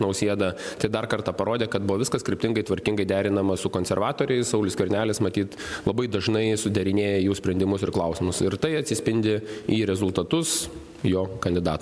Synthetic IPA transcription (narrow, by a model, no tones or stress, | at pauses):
nɐʊsʲiɛd̪ɐt̪ɐɪd̪ɐrkɐrt̪ɑːpɐɾoːd̪ʲeːkɐt̪̚bʊʋɔːʋʲɪskɐskɾʲɪpʲtʲɪŋɡɐɪt̪ʋɐɾʲkʲɪŋɡɐɪd̪ʲæːɾʲɪnɐmɐsʊkoːnʲsʲɛɾʋɑːt̪oːɾʲɛɪssɐʊlʲʊskʲʊɾʲnʲæːlʲɪsmɐt̪ʲiːt̪ | lˠɐbɐɪd̪ɐʒnɐɪsʊd̪ʲɛɾʲɪnʲeːjɛjuːsʲpʲɾʲɛnʲd̪ʲɪmʊsɪrklˠɐʊsʲɪmʊsɪɾt̪ɐɪɐtʲsʲɪsʲpʲɪnʲd̪ʲɪiːɾʲɛzʊlˠt̪ɐt̪ʊs | joːkɐnʲd̪ʲɪd̪ɑːt̪ː